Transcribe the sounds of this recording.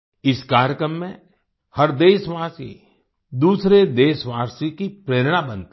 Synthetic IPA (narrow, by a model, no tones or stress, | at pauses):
ɪskaːɾjəkɾəmːẽ | hɐɾd̪eːsʋaːsi | d̪uːsɾed̪eːsʋaːɾsikipɾeːɾɽ̃abə̃nt̪i